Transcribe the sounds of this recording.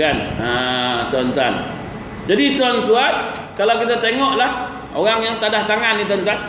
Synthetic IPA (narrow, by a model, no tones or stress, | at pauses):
anat̪ɔnt̪an | d͡ʒadit̪ɔnt̪uan | kalawkit̪at̪eŋɔʔlah | oɣaŋjaŋt̪adaht̪aŋanːit̪ɔnt̪an